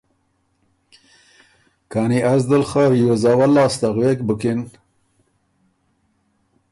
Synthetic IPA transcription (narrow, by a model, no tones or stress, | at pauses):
kaːniazd̪əlχaɾjozaːwalːɑːst̪aɣwekbəkɪn